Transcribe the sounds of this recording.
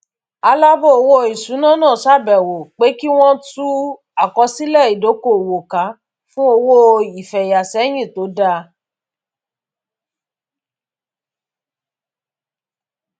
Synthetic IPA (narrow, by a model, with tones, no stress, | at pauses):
a˧la˦bo˦o˧wo˦˧˨i˨sũ˨˦nã˦˨nãː˦˨ʃa˦˨bɛ˨wo˨k͡pe˨˦ki˦w̃ɔ̃˦tu˦ | a˨kɔ˧˦si˦lɛ˦˨i˨do˨˦ko˨wo˨ka˨˦ | fũ˦o˧wo˦i˨fɛ˨ja˨sɛ˨˦j̃ĩ˦˨to˨˦da˧